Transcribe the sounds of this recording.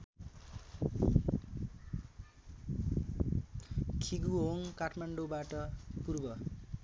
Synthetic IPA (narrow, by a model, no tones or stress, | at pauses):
kʰiɡuɦoŋkaʈʰmaɳɖobaʈʌpurbʌ